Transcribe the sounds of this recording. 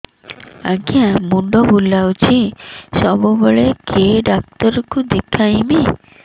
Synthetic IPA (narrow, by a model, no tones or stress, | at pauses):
aɡijãmuɳɖɔbulawt͡ʃʰisɔbɔbeɭekʰeɖak̚t̪ɔɾɔkud̪ekʰajmi